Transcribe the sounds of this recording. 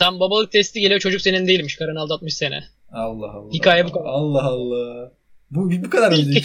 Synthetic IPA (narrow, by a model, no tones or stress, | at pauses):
t̪ʰambabalˠɯk̚t̪ʰɛst̪ʰiɟe̞lʲet͡ʃʰo̞d͡ʒuk̚senind̪e̞jilʲmiʃkʰaɾanalˠd̪at̪̚mɯʃsenɛ̰ | alˠːahalːˠhikʰaːjabukaalˠːaɦalˠːa | bubibukʰad̪aɾe